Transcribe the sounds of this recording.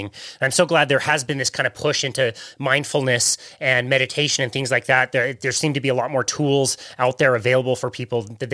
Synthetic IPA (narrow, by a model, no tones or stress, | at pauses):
ɪ̃ŋnãɪ̃msoʊɡlæd̪̚ðə˞ɨzbɨ̃nðɪskʰãɪ̃ndəvpʰʊʃɪ̃ntʉmãɪ̃nd̥fl̩ˠnɨsɨ̃nmɛɾɨtʰeɪʃɨ̃nɨ̃nθɪ̃ŋzlaɪk̚ðæt̪̚ðə˞ðə̥˞sĩmtɨbiəlɔt̚mɔɹtʰulˠzaʊt̪̚ðə˞ɨveɪlˠəbl̩ˠfə˞pʰipl̩ˠðɨ